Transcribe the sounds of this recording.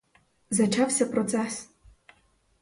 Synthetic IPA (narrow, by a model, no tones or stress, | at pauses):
zat͡ʃawsʲɐpɾɔt̪sɛs